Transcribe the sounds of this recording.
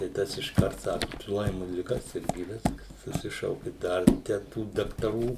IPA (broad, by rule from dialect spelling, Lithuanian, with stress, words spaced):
tɐɪ ˈtɐs ɪʃˈkɐrt ˈsɑːkʊ tʊ ˈlˠɐɪmʊ lʲɪˈɡɐ sʲɛrʲˈɡʲɪ ˈʋʲɪskɐs sʊˈsʲɪʃɐʊkʲɪ ˈdɐr tʲɛn ˈtuː dɐktɐˈruː